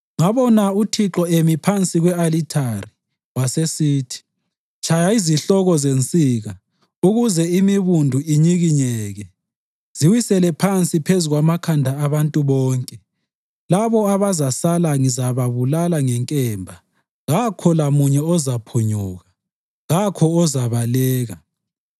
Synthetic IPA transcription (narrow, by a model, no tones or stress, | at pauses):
ŋaβɔnautʰiǁɔemipʰant͡sʼiɣwɛalitʰari | wasesiːtʰi̥ | t͡ʃʰʼajaiziɬɔɣɔzent͡sʼiːɣa | uɣuzɛimiβundʱuiɲiɣiɲɛːɣɛ | z̥iwisɛlɛpʰant͡sʼipʰezuɣwamakʰandʱaːβantʼuβɔːŋkʼɛ | laβɔaβazasalaŋizaβaβulalaŋɛŋkʼɛmbʱa | ɣakʰɔlamuɲɛɔzapʰuɲuɣa | ɣakʰɔɔzaβalɛːɣa